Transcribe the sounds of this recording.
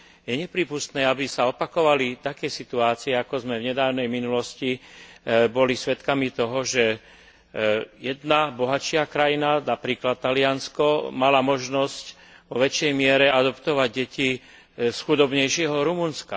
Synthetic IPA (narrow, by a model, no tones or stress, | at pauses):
jɛɲɛpɾiːpust̪nɛːabisaɔpakɔʋalit̪akɛːsit̪uaːt͡siɛakɔzmɛvɲɛd̪aːʊnɛjminulɔsci | bɔlisʋɛt̪kamit̪ɔɦɔʒɛ | jɛd̪nabɔɦat͡ʃɪakɾajinanapɾiːklat̪̚ːalɪanskɔmalamɔʒnɔsc | ʋɔʋɛt͡ʃɛjmɪɛɾɛad̪ɔpt̪ɔʋaɟɟɛci | sxud̪ɔbɲɛjʃɪɛɦɔɾumunska